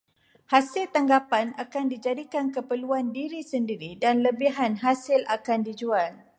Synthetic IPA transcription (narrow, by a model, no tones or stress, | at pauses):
hasɪlt̪aŋɡapanakandid͡ʒadikankəpəluandiɾisəndiɾidanləbiɦanɦasɪlakandid͡ʒual